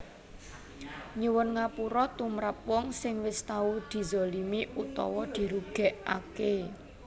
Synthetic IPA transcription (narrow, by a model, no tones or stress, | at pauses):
ɲiwʊnŋapuɾɔt̪umɾap̚wɔŋsɪŋwɪst̪aud̪̥i̤zolimiʔut̪ɔ̰wɔd̪̥i̤ɾuɡ̥ɛ̤ʔa̰ke